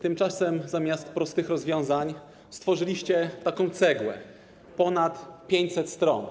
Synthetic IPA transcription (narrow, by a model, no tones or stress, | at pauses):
t̪ɘmt͡ʂasɛmzamʲjast̪̚pɾɔst̪ɘxɾɔzvʲjɔ̃w̃zaɲ | st̪fɔʐɘlʲiɕt͡ɕɛt̪akɔ̃w̃t̪sɛɡwɛ̰ | pɔnat̪pʲjeɲt͡ɕsɛt̪st̪ɾɔ̰n